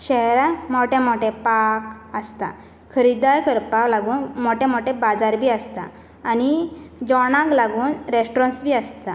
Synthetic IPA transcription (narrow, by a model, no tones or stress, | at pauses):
ɕɛɦɾamɔʈɛ̃mɔʈẽpakəst̪a̰ | kʰəɾid̪ajkəɾpaklaɡuːnmoʈɛ̃mɔʈẽbad͡zaɾbʱiːəst̪a̰ː | nid͡ʑɔɽãklaɡuːnɾesʈɾɔ̃nsbʱiːəst̪a